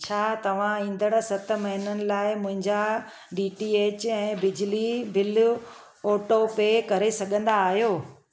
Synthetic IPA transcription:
t͡ɕʰaːt̪ɐʋ̤ãĩːn̆d̪əɽ̃sɐt̪̆mɐɦɪnənɪ̆laːɪmʊ̃ɦɪ̃ɲd͡ʑa | ɖiːʈieːt͡ɕɛ̃ːbɪd͡ʑlibɪl | oːʈopekɐɾesɐɠʱə̃nd̪aːɦijoː

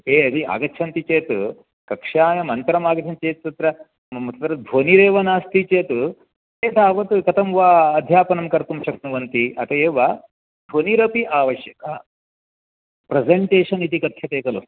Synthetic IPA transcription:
eːɐd̪ia̰ːɡɐt̪ːʰʃʰɐnt̪it͡ʃeːt̪u | kɐkʂaːjɐmɐnt̪ɾɐmaːɡɐd̪ʰʱɐmt͡ʃeːt̪̚sɐt̪ɾɐ | mɐt̪ʰɐt̪ɾɐd̪ʱʋoːniɾeːʋɐnaːst̪it͡ʃeːt̪u | eːd̪ʱaːʋɐt̪kɐt̪ɐmʋaːɐd̪ʱjaːpɐnɐmkɐɾt̪umʃɐknuʋɐnt̪iʔɐt̪ɐeːʋɐ | d̪ʱoːniɾɐpiʔaːʋɐʃjɐkɐ | pɾezeɳʈeːʂɐnit̪ikɐt̪ʰjɐt̪eːkɐlu

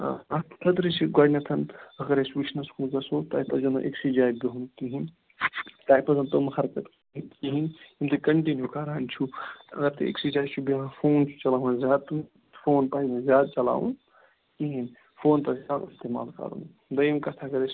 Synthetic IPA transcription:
ɐt̪kʰɐd̪ɾit͡ʃʰiɡaɖnʲɐt̪ʰɐnɐɡɐɾesʋit͡ʃnɐshunkɐsot̪ɐːipɐzɐno̰ʔeksid͡ʒaːjbiɦunkiɦin | t̪aːjpɐzɐnt̪ɐmxɐɾkɐt̪k | inkiɦinimt̪ɨkɐɳʈinjukaɾant͡ʃʰut̪ɐɡɐɾt̪eḛksid͡ʒaːjt͡ʃʰubiɦãfoːnt͡ʃʰu̥t͡ʃɐlaːɦunzʲjaːd̪̚t̪um | foːnpaimezjaːd̪̚t͡ʃɐla̰ːʋṵn | kiɦin | fʰoːnt̪ɐzʲaːd̪ist̪eːma̰ːlkɐ̰ɾṵn | d̪ɐjimkɐt̪ʰɐɡɐɾes

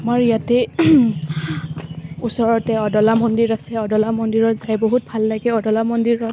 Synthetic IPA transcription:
amaɹijatɛ | usɔɹɔtɛɔdɔlamɔndiɹasɛɔdɔlamɔndiɹɔɹzajboɦut̚bʱalːaɡɛɔdɔlamɔndiɹɔ

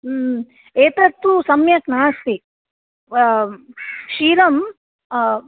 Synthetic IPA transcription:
eːt̪ɐt̪ːusɐmjɐknaːst̪i | ʃiːɾɐm

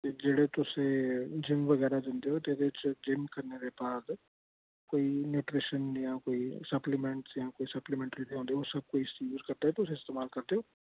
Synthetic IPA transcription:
t̪ed͡ʒeːɽet̪ʊsẽd͡ʒɪmʋəɣɛːɾad͡ʒə̃ːnd̪eɦot̪eːd̪et͡ʃd͡ʒɪmkɐɾned̪ebaːd̪ | koːinjuːʈɾɪʃənjãːkoːisɐplimɛ̃ɳʈsjãːkoːisɐplemɛ̃ːɳʈəɾinːɦõnd̪iosɐb̚koːiɪsiuːzkɐɾd̪aɦɛt̪ʊsẽːɪst̪eːmaːlkɐɾd̪ejoː

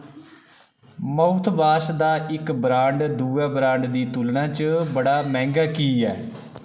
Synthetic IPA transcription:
məʊt̪ʰbaːʃd̪aːʔɪkbɾãːɳɖd̪uːaːbɾãːɳɖd̪iːt̪ʊlɳãːt͡ʃəbəɽaːmɛ̃ːŋɡaːkiːɛː

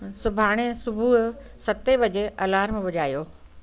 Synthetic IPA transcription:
sʊbʱaːɽ̃esʊbʱuɦsɐt̪ebɐd͡ʑeʔɐlaːɾmẽbʊd͡ʑaːjoː

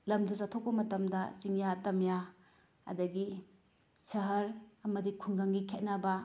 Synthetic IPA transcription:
lɐmdosatʰok̚pɐmɐtɐmdɐt͡ʃiŋjatɐmja | ɐ̰dɐɡi | sɐɦɐɾɐmɐdikʰunɡaŋɡikʰet̚nɐbɐ

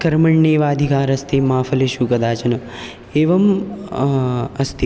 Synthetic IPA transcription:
kɐɾmɐɳːeːʋaːd̪ʱikaːɾɐst̪ʰemaːfʰɐleʃukɐd̪aːt͡ʃɐnɐ | eːʋɐm | ɐst̪ʰi

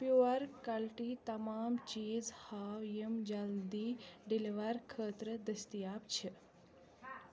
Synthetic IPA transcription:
pjuɐɾkɐlʈiːt̪ɐmaːmt͡ʃiːzhaːwjemd͡ʒɐld̪iːɖiliʋɐɾkʰəːt̪ɾəd̪əst̪ijaːpt͡ɕʰi

